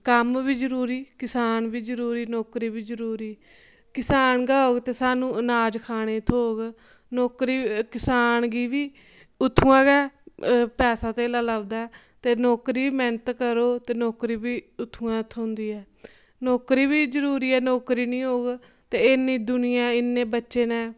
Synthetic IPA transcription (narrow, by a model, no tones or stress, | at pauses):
kəmʋiːzəɾuːɾiːkɪsaːnʋiːzəɾuːɾiːnɔːkɾiːbiːzəɾuːɾiː | kɪsaːnɡaːoːɡt̪eːsaːnũːənaːd͡ʒkʰaːɽ̃eːt̪ʰoːɡ | nɔːkɾiːkɪsaːnɡiːʋiː | ʊt̪ʰːũːãːɡɛːpɛːsaːt̪eːlaːləɡd̪aːɛː | t̪eːnɔːkɾiːmɛ̃ːnət̪kəɾoːt̪eːnɔːkɾiːbiːʊt̪ʰːuːãːt̪ʰond̪iːɛː | nɔːkɾiːbiːzəɾuːɾiːɛːnɔːkɾiːnĩːɦoːɡt̪eːɪnːĩːd̪ʊnɪjãːɪnːẽːbətːʃeːnɛ̃ː